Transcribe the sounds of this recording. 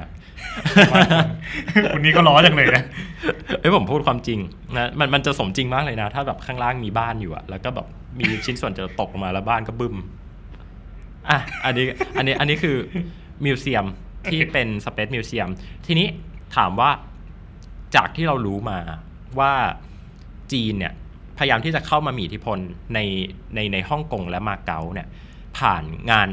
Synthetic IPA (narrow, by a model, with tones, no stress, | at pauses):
ku˧nːiː˦˥kɔ˥˩lɔː˦˥jaː˨˩ŋna˨˩na˦˥ | ʔɯ˦˥jpʰo˩˦mpʰuː˥˩kʰwaː˧mt͡ɕi˧ŋ | na˦˥ma˧nma˧nt͡ɕa˨˩so˩˦t͡ɕi˧ŋmaː˥˩k̚lɤː˧jna˦˥t̪ʰaː˥˩bɛː˨˩p̚kʰaː˥˩ŋlaː˥˩ŋmiː˧baː˥˩njuː˨˩ʔa̰˨˩lɛː˦˥wkɔː˥˩bɛ̰ː˨˩p̚miː˧t͡ɕʰi˦˥nsu˨˩ənt͡ɕa˨˩t̪o˨˩k̚ʔo˨˩maː˧lɛ˦˥wbaː˥˩nkɔː˥˩bɯ˥˩m | ʔa˧˩ʔa˧nːiː˦˥a˧nːiː˦˥ʔa˧nːiː˦˥kʰɯː˧ | mi˧wsi˧əm | t̪ʰiː˥˩pe˧nsa˧pʰe˦˥t̪̚miː˧wsi˧əmt̪ʰiː˧niː˦˥t̪ʰa̰ː˩˦mwaː˥˩ | t͡ɕaː˨˩k̚t̪ʰiː˥˩ɾa˧wɾuː˦˥maː˧ | waː˥˩ | t͡ɕiː˧ni˦˥˩ɐ | pʰa˧jjaː˧mt̪iː˥˩t͡ɕa˨˩kʰa˥˩wmaː˧miː˧ʔt̪ʰi˦˥pʰo˧nːa˧j | na˧jna˧jhɔ˥˩ŋko˧ŋlɛ˦˥maː˧ka˦˥wni˥˩ɐ | pʰa̰ː˨˩nŋaː˧n